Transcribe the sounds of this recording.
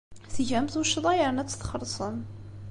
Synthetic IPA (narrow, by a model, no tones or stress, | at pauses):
θʝæmθuʃðˤɑjəɾnæt͡sːə̥θχəɾˤsˤəm